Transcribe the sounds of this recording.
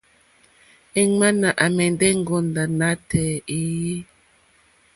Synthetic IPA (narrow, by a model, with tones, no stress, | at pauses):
e˦ŋa˦na˨ʔa˨mɛ˨n˦dɛ˦ŋ̩˦˨ɡɔ˦n˨da˨na˦tɛ˨i˦ji˦